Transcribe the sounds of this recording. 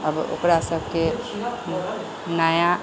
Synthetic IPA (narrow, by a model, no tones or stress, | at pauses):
əbo̰kɾasəbʱke | naja